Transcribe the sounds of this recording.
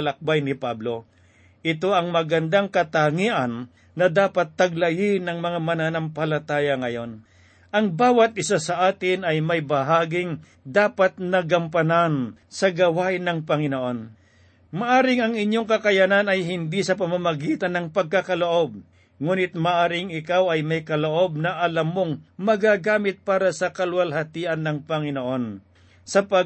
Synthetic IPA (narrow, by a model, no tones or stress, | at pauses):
lɐk̚bajnɪpablo̞ | ʔɪt̪o̞ɐŋmɐɡɐnd̪aŋkɐt̪aŋiʔɐnː | ɐd̪aːpɐt̪ːɐɡ̚lɐjɪnɐŋmɐŋamɐnanɐmpɐlɐt̪aːjɐŋɐjo̞n | ʔɐŋbaːwɐt̪̚ʔɪsasɐʔaːt̪ɪnɐjmɐjbɐɦaːɡɪŋ | d̪aːpɐt̪nɐɡɐmpɐnan | sɐɡɐwajnɐŋpɐŋɪnoʔo̞n | mɐʔaːɾɪŋɐŋɪɲo̞ŋkɐkɐjananɐjɦɪnd̪isɐpɐmamɐɡiːt̪ɐnːɐŋpɐɡ̚kːakɐloʔo̞b̚ | ŋuːnɪt̪̚mɐʔaːɾɪŋɪkawɐjmɐjkɐloʔo̞b̚nɐʔɐlamːoŋmɐɡaɡaːmɪt̪̚paːɾɐsɐkɐlwɐlhɐt̪iːʔɐnːɐŋpɐŋɪnoʔo̞n | sɐpɐ